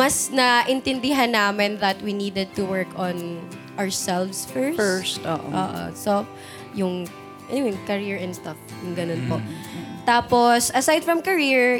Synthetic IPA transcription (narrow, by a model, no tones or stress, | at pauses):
mɐsnɐʔɪnt̪ɪnd̪ɪɦanːaːmɪnðɐt̪winiːd̪ɛd̪̚t̪ʊwɛɹkɔn | ʔɐɹsɛlvsfɛɹɛɹst̪o̰ːʔʔo̰ːʔo̰so | jʊŋ | ʔɛnɪwɛnkɐɾiɹɛnd̪st̪ɐfjʊŋɡɐnonpo̰t̪aːposʔɐsajd̪̚fɹɐmkɐɹiɹ